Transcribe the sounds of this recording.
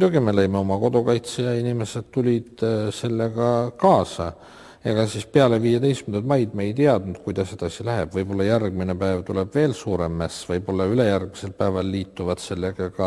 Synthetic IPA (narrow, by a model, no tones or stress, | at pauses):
mujd̪̥uɡ̥ime̞lejmeo̞mɑko̞d̪̥okɑjt̪sejɑinime̞se̞d̪̥t̪ulʲid̪̥se̞lːeɡɑkɑːsɑ | eɡ̥ɑsispeɑle̞viːjet̪e̞jst̪kmynd̪ut̪mɑjd̪̥̚mejt̪iɑd̪̥nud̪̥kujd̪̥ɑsːe̞d̪̥ɑsilæɦeb̥vɤjbo̞lːɑjærɡ̚minepæːvt̪uleb̥ve̞ːlsuːɾe̞mːæsvɤjbo̞lːɑyle̞jærɡ̥̚mise̞lpæːvɑlːiːt̪ːuvɑt̪se̞lːeɡ̥ɑɡɑ